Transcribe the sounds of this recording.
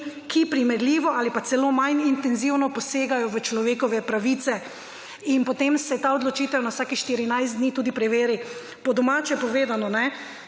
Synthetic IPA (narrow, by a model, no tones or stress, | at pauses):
kʰipɾimɛɾliːʋɔaːlipat̪sɛloːmajnint̪ɛnziwnɔpɔseːɡajɔʋət͡ʃlɔʋeːkɔʋɛpɾaʋiːt̪sɛ | inpɔt̪emsɛt̪aɔd̪lɔt͡ʃiːt̪ɛwnawsaːkixʃt̪iɾinajst̪d̪niːt̪uːd̪ipɾɛʋeːɾi | pɔd̪ɔmat͡ʃjɛpɔʋeːd̪anɔnɛ